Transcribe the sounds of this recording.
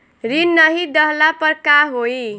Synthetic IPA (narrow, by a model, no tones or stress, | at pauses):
ɾinːʌɦid̪ʌɦlapʌɾkaɦoi